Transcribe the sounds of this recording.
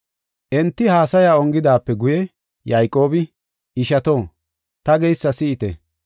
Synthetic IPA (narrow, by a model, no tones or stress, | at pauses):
ʔɛnt̪ːɪhaːsɐjaːɔŋɡɪd̪aːpːɛɡʊjɛ | jɐjkʼːo̞ːbɪ | ɪʃɐt̪o̞ː | t̪ɐɡɛjsːɐsɪɪt̪ɛ̰